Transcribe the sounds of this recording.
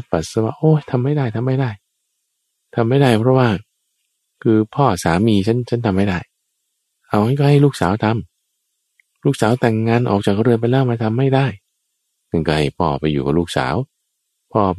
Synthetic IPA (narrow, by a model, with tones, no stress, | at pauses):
pa˨˩t̪̚sa˧wa̰ː˥˩ʔoː˧˩t̪ʰa˧mːa˥˩jdaː˥˩jt̪ʰa˧mːa˥˩jdaː˥˩j | t̪ʰa˧mːa˥˩jda˥˩jpʰɾɔ˦˥waː˥˩ | kʰɯː˧pʰɔː˥˩saː˩˦miː˧t͡ɕʰa˦˥nt͡ɕʰa˦˥nt̪ʰa˧ma˥˩jda˥˩j | ʔa˧˩wka˧˥˩nkɔː˥˩ha˥˩jluː˥˩k̚saː˩˦wt̪ʰa˧m | luː˥˩k̚saː˩˦wt̪ɛː˨˩ŋːaː˧˥nʔɔː˨˩k̚t͡ɕaː˨˩k̚ɾɯ˧ənp̬a˧jlɛː˦˥˩wmaː˧˩t̪ʰa˧mːa˥˩jdaː˥˩j | na˥˧˩nkɔː˧˩ha˧˥˩jpʰɔː˧˩pa˧jːuː˨˩ka̰˨˩luː˥˩k̚sa̰ː˩˦w | pʰɔː˥˩